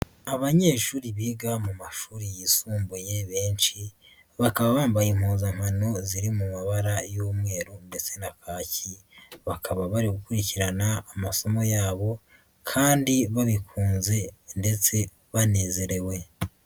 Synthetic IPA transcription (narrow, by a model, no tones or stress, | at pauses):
aβaɲe̞ːʃuːɾiβiɡamumaʃuːɾijisuːmbuje̞βe̞ːnt͡ʃi | βakaβaβaːmbajim̥huːzaŋ̥hano̞ziɾimumaβaɾajoːmŋe̞ːɾunde̞t͡se̞nakaːci | βakʰaβaβaɾiɡukuɾiciɾanaːmaso̞mo̞jaːβo̞ | kʰaːndiβaβikʰuːnze̞nde̞t͡se̞ | βane̞ːze̞ɾe̞we̞